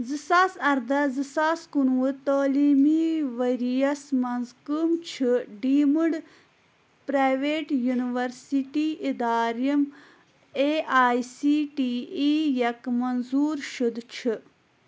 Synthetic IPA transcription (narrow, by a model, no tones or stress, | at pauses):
zɨsaːsɐɾd̪ɐzɨsaːskunwɨt̪oːliːmiːʋɐɾijɐsmɐnzkɨmt͡ʃʰɨɖiːmɨɖ | pɾaːjʋeːʈjuniʋɐɾsiʈiːʔid̪aːɾjɐm | eːʔaːjsiːʈiːijɐkmɐnzuːɾʃud̪t͡ʃʰɨ